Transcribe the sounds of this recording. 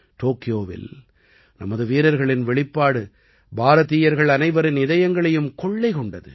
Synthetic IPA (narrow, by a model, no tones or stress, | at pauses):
ʈoːkɪjoːʋɪ̰l | nɐ̰mɐðɯʋiːɾɐɾɣɐɭɪnʋɛɭɪpːaːɽɯ | bʱaːɾɐðiːjɐɾɣɐɭɐnɐɪʋɐɾɪnɪðɐjɐŋɡɐɭɐjɯmkɔɭːɐɪkɔɳɖɐðɯ̰